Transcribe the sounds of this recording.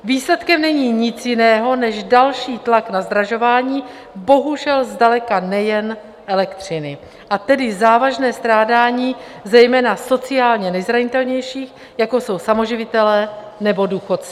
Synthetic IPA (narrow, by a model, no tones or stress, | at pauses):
viːslɛt̪kɛmnɛɲiːɲɪt͡sjɪnɛːɦo̞nɛʒdalʃiːt̪laknazd̪ɾaʒo̞vaːɲiː | bo̞ɦuʒɛlzdalɛkanɛjɛn | ʔɛlɛkt̪r̝̥ɪnɪ | ʔat̪ɛdɪzaːvaʒnɛːst̪ɾaːdaːɲiː | zɛjmɛːnaso̞t͡sɪaːlɲɛnɛjzɾaɲɪt̪ɛlɲɛjʃiːx | jako̞so̞wsamo̞ʒɪvɪt̪ɛlɛː | nɛbo̞duːxo̞t͡s